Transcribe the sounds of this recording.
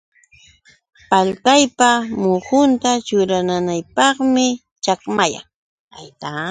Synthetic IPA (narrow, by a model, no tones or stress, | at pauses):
palkajpamʊhʊnt̪at͡ʃʊɾananajpɑχmɪ | t͡ʃakmaja̰ŋ | ajt̪a